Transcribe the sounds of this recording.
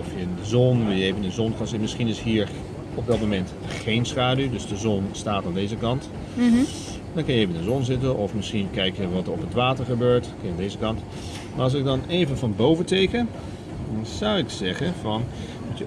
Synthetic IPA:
ɔfjəndəzɔnʋɪlˠjəevəndəzɔnkanzɪtənmɪsχinɪsɦiːɹ | ɔp̚dɑt̚momɛntχejnsχaːdydɵsdəzɔnstaːtaːndejzəkɑnt | dɔnŋkɑnjəevəɪndəzɔnzɪtənɔfmɪsχinkɛjkjəʋɑtəɹɔpɦətʋaːtəɹχəbøːɹtkɑnjəandejzəkɑnt | maːɹɑlˠs̬ɪɡ̚dɑnejvənvɑnbowvətejkən | dnzʌwɪksɛχənvɑn | mutə

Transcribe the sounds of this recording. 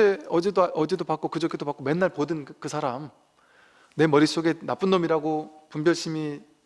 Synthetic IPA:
eʌd͡ʑedoʔʌd͡ʑe̞dopak͈okɯd͡ʑʌkʰedopak͈ome̞nːaɭpodɯnkɯsʰaɾam | ne̞mʌɾis͈oɡe̞nap͈ɯnːʌmiɾaɡopumbjʌɭɕ͈imi

